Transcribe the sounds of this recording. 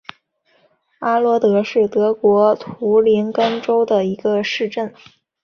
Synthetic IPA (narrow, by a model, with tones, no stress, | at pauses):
a˥lwɔ˧˥t̪ɤ˧˥ʂɻ̩˥˩t̪ɤ˧˥kwɔ˧˥t̪ʰu˧˥li˧˥nkə˥nʈ͡ʂo˥ʊd̪ə˨˩i˧˥ɡə˧ʂɻ̩˥˧ʈ͡ʂə˥˩n